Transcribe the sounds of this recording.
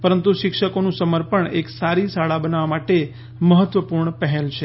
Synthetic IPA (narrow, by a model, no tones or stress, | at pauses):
pəɾənt̪uʃɪkʃəkonũsəməɾpəɳeksaɾisaɭabənaʋamaʈe | məɦət̪ʋəpuɾɳəpəɦelt͡ʃʰe